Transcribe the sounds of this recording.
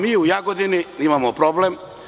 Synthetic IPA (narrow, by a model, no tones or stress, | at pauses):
miːujaɡod̪ininimamopɾoblem